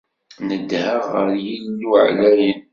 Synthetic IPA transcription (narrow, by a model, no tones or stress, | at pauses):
nəd̪həʁəɾjilnuʕlæjən